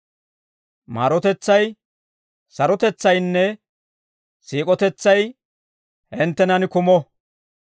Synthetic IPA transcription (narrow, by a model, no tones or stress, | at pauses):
ma̰ːɾɔt̪ɛt͡sːɐj | sɐɾɔt̪ɛt͡sːɐjnːɛ | siːkʼɔt̪ɛt͡sːɐj | hɛnt̪ːɛnɐnkʊmɔ